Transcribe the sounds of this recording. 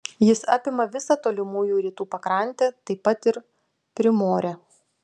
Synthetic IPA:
jɪsɑ̰ːpʲɪmɐʋʲɪsɐt̪oːlʲɪmuːjuːɾʲiːt̪uːpɐkɾɑˑnʲˑt̪ʲɛt̪ɐɪpːɐt̪ɪɾ | pʲɾʲɪmoːɾʲe

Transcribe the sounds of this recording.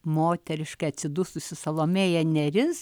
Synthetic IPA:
moːt̪ʲɛɾʲɪʃkɐɪɐt̪sʲɪd̪ʊsʊsʲɪsɐlˠoːmʲeːjɛnʲɛɾʲɪs

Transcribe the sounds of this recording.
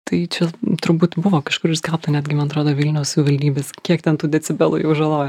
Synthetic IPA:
t̪ɐɪt͡ʃʲɛt̪ʊɾbuːt̪bʊʋoːkɐʃkʊɾɪsʲkʲɛlˠp̚t̪ɐnʲæːd̪ʲɡʲɪmɐnɐt̪ɾoːd̪oːʋʲɪlʲnʲɛʊsʋʲɪʋɐlʲd̪ʲiːbʲeːskʲiɛkt̪ʲɛnt̪uːd̪ʲɛt͡sʲɪbʲɛlˠʊ̰jɛʊʒɐlˠoːjɛ

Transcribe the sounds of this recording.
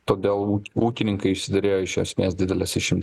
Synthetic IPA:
t̪oːd̪ʲeːlˠuuːkʲɪnʲɪŋkɐɪɪʃʲsʲɪd̪ʲɐɾʲeːjoːɪʃʲjo̰ːsʲmʲeɛsd̪ʲɪd̪ʲɛlʲɛsɪʃʲɪmʲt̪ʲ

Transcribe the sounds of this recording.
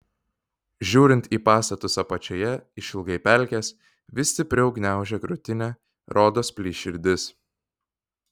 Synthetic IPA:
ʒʲuːɾʲɪnt̪ʲiːpɑːst̪ɐt̪ʊsɐpɐt͡ʃʲojɛɪʃʲɪlˠɡɐɪpʲæˑlʲkʲæːs | ʋʲɪsʲt̪ʲɪpʲɾʲɪɒʊɡnʲæˑʊʒʲɛːɡɾʊt̪ʲɪnʲæː | ɾoːd̪oːspʲlʲiːʃʲɪɾʲd̪ʲɪs

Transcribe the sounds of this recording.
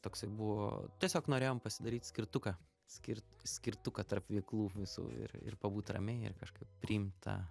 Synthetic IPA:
t̪oːksɐɪbʊʋo̰t̪ʲɛsʲoːknoːɾʲeːjoːmpɐsʲɪd̪ɐɾʲiːt̪ʲsʲkʲɪrt̪ʊkɐ | sʲkʲɪɾt̪sʲkʲɪrt̪ʊkɐt̪ɐrpʋʲɛɪklˠuːʋʲɪsṵːɪ̰rɪ̰rpɐbuːt̪ʲrɐ̰mʲɛɪɪ̰rkɐʃkɐɪp̚pʲɾʲɪimt̪ʰɐ̰ː

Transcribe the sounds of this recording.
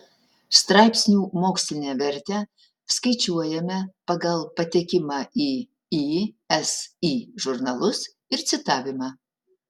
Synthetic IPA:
st̪ɾɑɪpʲsʲnʲuːmoːksʲlʲɪnʲeːʋʲɛɾʲt̪ʲɛ | skɐɪt͡ʃʲuɔjɛmʲɛpɐɡɐlˠpɐt̪ʲekʲɪmɑːiː | i | ɛsiːʒʊɾnɐlˠʊs | ɪɾt̪sʲɪt̪ɑːʋʲɪmɑː

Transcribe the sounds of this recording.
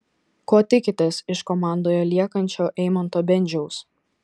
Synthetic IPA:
koːt̪ʲɪkʲɪt̪ʲeːsɪʃkɔmɑˑnd̪oːjolʲiɛkɐnʲt͡ʃʲoːʔɛɪmɐnt̪oːbʲɛnʲd͡ʒʲɛʊs

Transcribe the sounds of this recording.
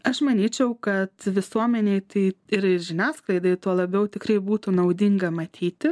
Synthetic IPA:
ɐʃmɐnʲiːt͡ʃʲɛʊkɐt̪ʋʲɪsuɔmʲɛnʲeɪt̪ɐɪɪɾɪɾʒʲɪnʲæːsklˠɐɪd̪ɐɪt̪uɔlˠɐbʲɛʊt̪ʲɪkrɐɪbuːt̪unɐʊd̪ʲɪŋɡɐmɐt̪ʲʰiːt̪ʲɪ

